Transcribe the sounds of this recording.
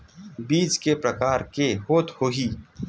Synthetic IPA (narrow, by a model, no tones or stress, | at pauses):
biːd͡ʒkepɾɐkaːɾkehoːt̪hoːɦiː